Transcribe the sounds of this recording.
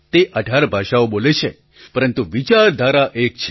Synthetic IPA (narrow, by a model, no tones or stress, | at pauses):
t̪eʔəɖʱaɾbʱaʃaobolet͡ʃʰe | pəɾənt̪uʋit͡ʃaɾd̪ʱaɾaʔek̚t͡ʃʰ